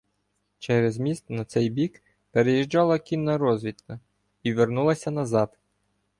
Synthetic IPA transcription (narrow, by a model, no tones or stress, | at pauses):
t͡ʃɛɾezmʲist̪nɐt̪sɛjbʲik | peɾejiʒd͡ʒɑlˠɐkʲinːɐɾɔzʲʋʲit̪kɐ | iʋernulˠɐsʲɐnɐzɑt̪